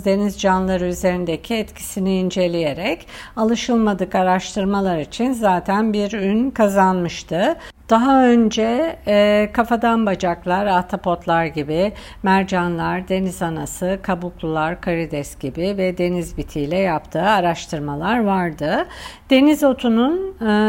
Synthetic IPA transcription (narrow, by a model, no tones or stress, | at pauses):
d̪e̞nizd͡ʒanlˠaɾɯyze̞ɾind̪ecʰiɛt̪cʰi̥siniːnd͡ʒe̞lʲije̞ɾɛcalˠɯʃɯlˠmad̪ɯkaɾaʃt̪ʰɯɾmalˠaɾit͡ʃʰinzaːt̪ʰænbiɾynkʰazanmɯʃt̪ʰɯd̪̥aɦaø̞nd͡ʒɛ | kʰafad̪anbad͡ʒaklˠaɾat̪ʰapʰo̞t̪lˠaɾɟibi | mæɾd͡ʒanlˠaɾd̪e̞nizanasɯkʰabuklˠulˠaɾkʰaɾid̪ɛsɟ̥ibivɛd̪e̞nizbit̪ʰijlʲɛjapt̪ʰɯːaɾaʃt̪ʰɯɾmalˠaɾvaɾd̪ɯd̪̥e̞nizo̞t̪ʰunun